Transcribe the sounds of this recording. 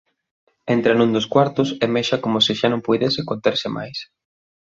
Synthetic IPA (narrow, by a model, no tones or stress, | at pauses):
ent̪ɾɐnũŋd̪oskwaɾt̪ʊsemeʃɐkomʊsɪʃanõŋpujðesɪkont̪eɾsɪma̰js